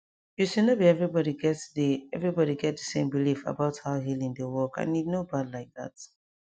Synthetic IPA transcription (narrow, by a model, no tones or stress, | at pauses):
jusinobiɛvɹibɔɾiɡɛtdiɛvɹibɔɾiɡɛt̚dəsẽmbilifə̰baʊthaʊɦilˠĩŋdəwɔkã̰nidnobadlaɪk̚ða̰t